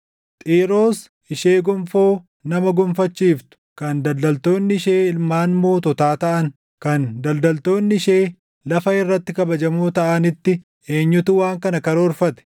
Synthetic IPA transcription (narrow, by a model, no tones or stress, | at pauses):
t̪ʼiːɾo̞ːs | ɪʃe̞ːɡʊmfoː | nɐmɐɡʊmfɐt͡ʃːiːft̪ʊ̥kɐnd̪ɐld̪ɐlt̪o̞ːnːɪɪʃeːɪlmaːnmo̞ːt̪ɔt̪aːt̪ɐʔɐn | kɐnd̪ɐld̪ɐlt̪o̞ːnːɪɪʃeː | lɐfɐɪrːɐt̪ːɪkɐbɐd͡ʒɐmuːt̪ɐʔɐnɪt̪ːɪ | e̞ːɲːʊt̪ʊwaːŋkɐnɐkɐɾɐɔɾfɐt̪ɛ̥